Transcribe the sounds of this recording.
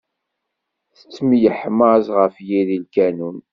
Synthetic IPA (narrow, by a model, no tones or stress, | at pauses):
θə̥t͡sːmijəħmːəzʁəfjiðilkænun